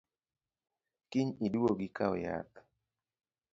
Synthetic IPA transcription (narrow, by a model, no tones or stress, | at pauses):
kɪɲidwoɡikaɔja̰t̪